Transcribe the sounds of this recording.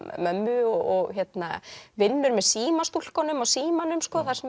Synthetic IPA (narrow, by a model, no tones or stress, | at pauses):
mœmːʏɔɔɣçɛt̪na̰vɪnːʏɾmɛðsiːmast̪ul̥kɔnʏmawsiːmanʏmskɔθḁsɛm